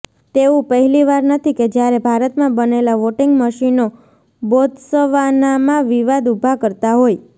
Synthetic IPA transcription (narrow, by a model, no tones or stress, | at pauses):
t̪eũpəɦɛliʋaɾnət̪ʰiked͡ʒjaɾebʱaɾət̪mãbənelaʋoʈiŋɡməʃino | bod̪səʋanamãʋiʋad̪ubʱakəɾt̪aɦoj